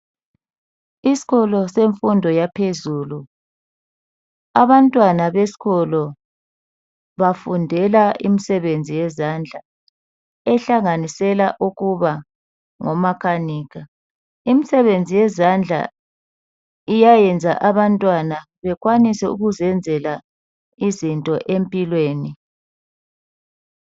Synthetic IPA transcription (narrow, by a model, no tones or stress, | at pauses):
isi̥ɣɔlɔseɱfundʱɔjapʰezuːlu | aβantʼwanaβesi̥ɣɔlɔ | βafundʱɛlaʔḭmisɛβend͡zʱijɛzand͡ɮʱa | ɛɬaŋanisɛlaʔuɣuβa | ŋɔmakʰaniːɣa | imisɛβend͡zʱijɛzand͡ɮʱa̰ | ijajɛnd͡zʱa̰ʔaβantʼwana | βɛɣwanisɛṵɣuzɛnd͡zʱɛla | izintʼɔʔempʼilweːni